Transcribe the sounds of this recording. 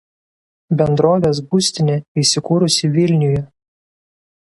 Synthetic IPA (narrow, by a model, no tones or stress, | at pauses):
bʲɛnd̪ɾoːʋʲeːs̬bʊsʲt̪ʲɪnʲeisʲɪkuːɾʊsʲɪʋʲɪlʲnʲʊjɛ